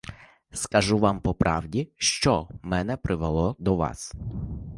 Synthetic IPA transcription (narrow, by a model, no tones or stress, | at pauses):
skɐʒuʋɑmpɔpɾʔɑwdʲiʃt͡ʃɔmɛnɛpɾʔɪʋelˠɔd̪ɔʋɑ̰s